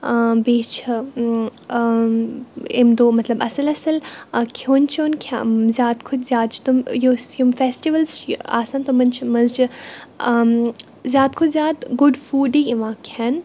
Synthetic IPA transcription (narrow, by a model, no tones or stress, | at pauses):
beːt͡ʃʰ | ɪ̰md̪oːmɐt̪lɐbɐsɨlɐsɨlkʲʰoːnt͡ʃʰoːnkʰʲa̰zʲjaːt̪kʰʊt͡ʃʰzjaːt̪t͡ʃʰi̥t̪ʊmjosjumfeːsʈiʋəlzt͡ʃa̰ːsaːnt̪ʊmɐnt͡ʃʰmɐzt͡ʃʰi | zʲjaːt̪kʰʊd͡ʒzjaːt̪ɡʊɖfuːɖiɪʋãːkʲʰɛːn